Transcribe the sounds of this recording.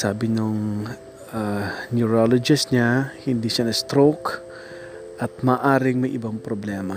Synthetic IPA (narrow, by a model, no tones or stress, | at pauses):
saːbɪnoŋ | anjuɾolod͡ʒɪsɲahɪnd̪iʃanɐst̪ɾok | ʔɐt̪̚maːʔaːɾɪŋmɐjʔɪbaŋpɾoblɛːmɐ